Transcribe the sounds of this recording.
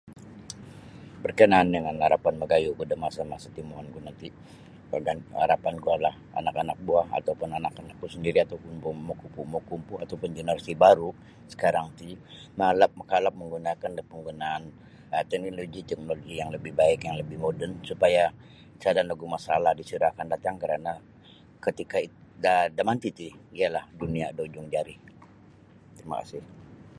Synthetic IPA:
bərkənaːndəŋanhaɾapanməɡajukudamasamasat̪imoɦɔnɡuanant̪i | a̰ɡanha̰ɾapanɡualah | a̰nakanak̚buaha̰t̪awpʊnanakanak̚kusəndiɾiat̪awkumpumokupumɔkumpuat̪awpʊnd͡ʒənəɾasibaɾu | sə̥kaɾaŋt̪imalap̚məkalap̚məŋɡunakandapəŋɡunaːn | ət̪ɛk̚noloɡit̪ɛk̚noloɡijaŋləbɪhbaɪkjaŋləbɪhmodɛnsupaja | sadanlaɡumasalahdisuɾakandat̪aŋkəɾana | kət̪ikaidadamant̪it̪iialahduniadod͡ʒʊŋd͡ʒaɾi | t̪əɾima̰ka̰sɪh

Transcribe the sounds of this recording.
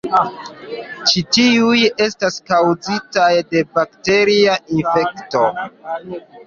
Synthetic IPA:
t͡ʃitiuje̞staskawzitajde̞bakte̞ɾiaʔinfe̞kto̞

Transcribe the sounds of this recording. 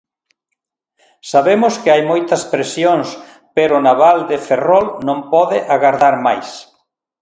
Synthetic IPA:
saβemʊskɪajmojt̪ɐspɾesjoŋs | peɾʊnaβald̪eferɔlnõmpɔðɪʔaɣaɾðaɾmajs

